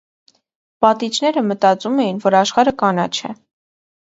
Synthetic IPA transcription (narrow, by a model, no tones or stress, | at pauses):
pɑt̪it͡ʃnɛɾəmət̪ɑt͡sumɛjinvɔɾɑʃχɑɾəkɑnɑ̰t͡ʃʰɛ̰